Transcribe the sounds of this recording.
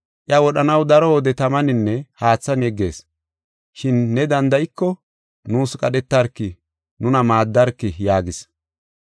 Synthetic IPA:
ʔɪɐwɔɗɐnɐwd̪ɐɾɔɔd̪ɛt̪ɐmɐnɪnːɛhaːt͡sːɐnjɛɡːe̞̰ːs | ʃɪnːɛd̪ɐnd̪ɐjɪkːɔ | nuːskʼɐɗɛt̪ːɐɾkːɪ | nʊnɐmaːd̪ːɐɾkːɪjaːɡɪs

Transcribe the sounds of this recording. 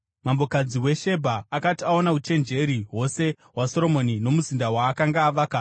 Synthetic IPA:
mambo̞kad͡ziwe̞ʃe̞bʱaːkatiao̞naut͡ʃe̞nd͡ʒe̞ɾiɦo̞se̞ | waso̞ɾo̞mo̞nino̞muzindawaːkaŋɡaːʋaka

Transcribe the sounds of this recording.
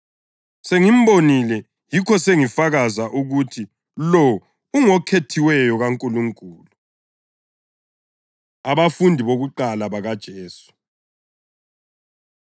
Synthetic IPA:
seŋim̩bonilɛ | jikʰɔseŋifaɣazaʔuɣutʰi | lɔ | uŋɔkʰetʰiwɛjɔɣaŋkʼuluŋkʼuːlu | aβafundʱiβoɣuǃalaβaɣad̥ʒ̥ʱeːsu̥

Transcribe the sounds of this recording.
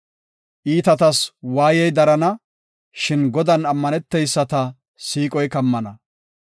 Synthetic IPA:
ʔiːt̪ɐt̪ɐswaːjɛjd̪ɐɾɐnɐ | ʃɪnɡɔd̪ɐnɐmːɐnɛt̪ːɛjsːɐt̪ɐ | siːkʼɔjkɐmːɐnɐ

